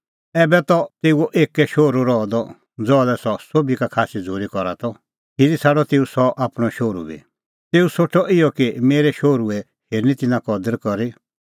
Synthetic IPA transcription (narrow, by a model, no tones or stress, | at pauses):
ɛːbɛt̪ɔt̪eːuoʔeːkːɛʃoːɾuɾɔd̪ɔ | d͡zɔːlɛsɔsobikakʰaːsid͡zʱoːɾikɔɾa̰t̪ɔ | hilisʰaːɽɔt̪eːusɔʔaːpɽ̃ɔʃoːɾṵbḭ | t̪eːusoʈʰɔʔɪjɔkimeːɾɛʃoːɾuɛ | heːɾnit̪ɪnãkɔd̪əɾkɔɾi